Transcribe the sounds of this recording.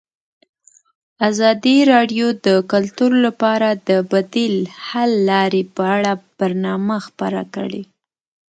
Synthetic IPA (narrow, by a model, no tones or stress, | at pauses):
azɑd̪iɾɑɖjod̪əkʊlt̪uɾlapɑɾad̪əbad̪ilhalːɑɾepəaɽab̥aɾnɑmaxpəɾa̰kəɽe